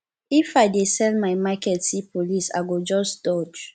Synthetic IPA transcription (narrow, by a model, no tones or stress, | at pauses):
ifaɪdesɛ̃lmajmakɛtsipʰolisa̰ɪɡod͡ʒɔsd̥ɔd͡ʒ